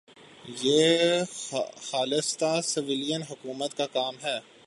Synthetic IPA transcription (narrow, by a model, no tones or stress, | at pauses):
jeː | xaːlɪst̪asɪʋɪlijənɦʊkuːmət̪kakaːmɦɛː